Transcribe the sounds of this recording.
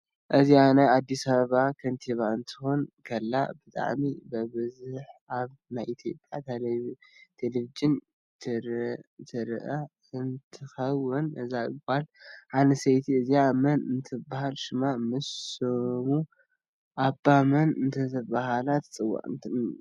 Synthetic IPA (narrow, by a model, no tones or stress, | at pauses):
ʔɨzianɐad̪ːisɐβɐβakʰɐnt̪ʰiβaɨnt̪ʰɨ̥xonkʰɐlːa̰bɨt̪ʼa̰ʕmibɐβɨzuħaβ | najʔit̪ʰjo̞pʼjat̪ʰ | t̪ʰelevid͡ʒɨn | t̪ʰɾt̪ʰɨɾʔɐ | ɨnt̪ʰɨxɐwːɨnʔɨzaɨɡʼalʕanɐsejt̪ʰiɨziamɐnɨnt̪ʰɨbːahalʃɨmamɨsomu | ʔabːamɐnɨnt̪ʰɐtɨbaɦalat̪t͡sʼɨwːa̰ʔʼɨnt̪ʰɨ